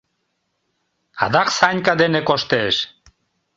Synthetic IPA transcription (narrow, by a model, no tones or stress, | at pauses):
a̰d̪aksaɲʲkad̪enekoʃt̪eʃ